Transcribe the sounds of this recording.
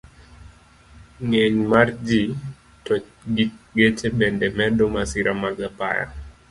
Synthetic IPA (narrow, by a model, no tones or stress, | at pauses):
ŋɛɲmaɾd͡ʒi | tɔ | ɡiɡɛt͡ʃɛɓɛndɛmɛɗɔmasiɾʔamaɡapa̰ja̰